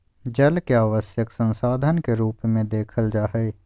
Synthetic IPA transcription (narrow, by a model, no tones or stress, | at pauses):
d͡ʒɐlkeaːʋəsjəksə̃nsaːd̪ʱənkeɾuːpmẽd̪eːkʰəld͡ʒaːɦeː